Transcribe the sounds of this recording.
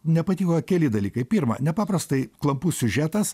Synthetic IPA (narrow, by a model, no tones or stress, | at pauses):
nʲɛpɐt̪ʲiːkoːkʲɛlʲɪd̪ɐlʲiːkɐɪpʲiːɾmɐ̰nʲɛpɑːpɾɐst̪ɐɪklˠɐmpuːsʲʊʒʲæːt̪ɐs